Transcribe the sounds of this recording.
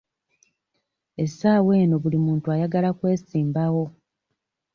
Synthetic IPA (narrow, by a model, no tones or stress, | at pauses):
e̞saːwe̞ːno̞βulimuːntuajaɡalakwe̞ːsiːmbawo̞